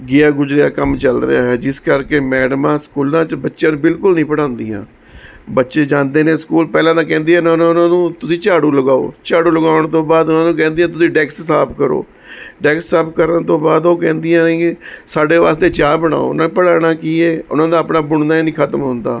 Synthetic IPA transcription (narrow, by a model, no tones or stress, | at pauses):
ɡɪjaːɡʊzɾɪjaːkəmt͡ʃəlɾḛaːɦɛːd͡ʒɪskəɾkeːmɛːɖmãːskuːlãːt͡ʃbətːʃjãːnũːbɪlkʊlnĩːpəɽãːnd̪iːã̰ː | bətːʃeːd͡ʒãːnd̪eːnẽːskuːlpɛːlãːt̪ãːkɛ̃ːnd̪iːɦɛːnaːʊnãːʊnãːnũːt̪ʊsĩːt͡ʃaːɽũːləɡaːo̰ːt͡ʃaːɽuːləɡaːʊɳt̪õːbaːd̪ʊnãːnũːkɛ̃ːnd̪ijãːt̪̬ʊsĩːɖɛːkssaːpʰkəɾo̰ː | ɖɛːkssaːpʰkəɾənt̪õːbaːd̪oːkɛ̃ːnd̪ɪjãːnːsaːɖeːʋaːst̪eːt͡ʃaːbəɽ̃a̰ːo̰ːʊnãːnẽːpəɽaːɽaːkiːeːʊ̰nãːd̪aːpnaːbʊɳd̪aːinĩːkʰət̪əmɦʊ̃nd̪aː